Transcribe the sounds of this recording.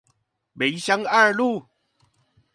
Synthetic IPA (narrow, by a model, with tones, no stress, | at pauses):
be˨˦jɕja˦ŋa˥˧lu˥˧˨